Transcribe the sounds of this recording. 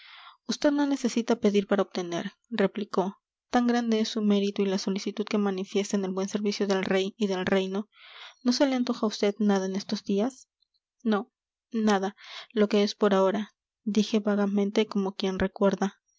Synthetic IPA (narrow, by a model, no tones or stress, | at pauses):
ust̪e̞ðno̞ne̞se̞sit̪ape̞ðiɾpaɾaoβ̚t̪e̞ne̞̰ɾ | re̞pliko̞ | t̪aŋɡɾand̪e̞esːume̞ɾit̪oilaso̞lisit̪uð̥ke̞manifje̞st̪aene̞lβwe̞nse̞ɾβisjo̞ðe̞lrejiðe̞lre̞jno̞no̞se̞leent̪o̞xaust̪e̞ðnaðaene̞st̪o̞zd̪ias | no̞ | naðalo̞ke̞espo̞ɾao̞ɾa | d̪ixe̞βaɣamẽnt̪e̞ko̞mo̞kje̞nre̞kwe̞ɾða